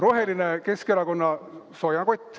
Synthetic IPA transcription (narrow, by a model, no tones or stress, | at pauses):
roɦelineke̞skeɾɑko̞nːɑ | sojɑkot̪ʲːˑ